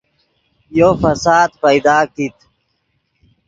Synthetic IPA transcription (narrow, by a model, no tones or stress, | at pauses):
joːfɐsaːd̪pɐjd̪aːkit̪